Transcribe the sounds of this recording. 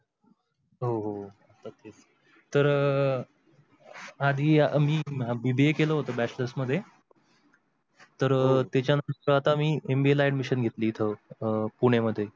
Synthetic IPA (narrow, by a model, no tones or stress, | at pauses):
ɦoɦo | at̪at̪es | t̪əɾ | ad̪ʱiːmiːbibiekeləɦot̪əːbæt͡ɕləsməd̪ʱːje | t̪əɾt̪jat͡ɕjanamt̪əɾəat̪amiːembielaiɖmiɕənɡʱet̪liːt̪ʰəpuɽ̃eməd̪ʱːje